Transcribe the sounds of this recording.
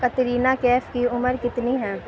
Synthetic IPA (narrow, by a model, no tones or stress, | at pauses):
kɐt̪ɾiːnakɛːfkiʊməɾkɪt̪niɦɛ̃ː